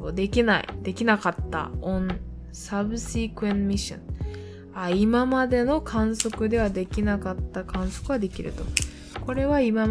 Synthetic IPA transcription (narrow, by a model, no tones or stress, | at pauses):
od̪e̞kʲinaḭd̪̥e̞kʲinakat̪ːa̰õn | sabɯ̟sikɯ̟ẽnmʲiɕõ̰ŋ | aimamad̪e̞no̞kʰãɰ̃so̞kɯ̟d̪e̞β̞ad̪e̞kʲinakat̪ːakãɰ̃so̞̥kɯ̟βad̪e̞kʲiɾɯ̟t̪o̞ | ko̞ɾe̞βaima